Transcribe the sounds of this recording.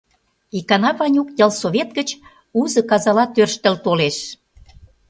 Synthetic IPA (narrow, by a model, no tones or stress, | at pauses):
ikɑnɑβɑnʲukjɑlˠsoβʲet̪ɡət͡ɕ | uzɤ̆kɑzɑlɑt̪ørʃt̪ə̆lt̪oleʃ